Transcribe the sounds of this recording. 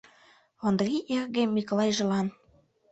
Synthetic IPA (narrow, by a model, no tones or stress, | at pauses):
ond̪riʔerɣemːikolɑjʒɤ̆lɑn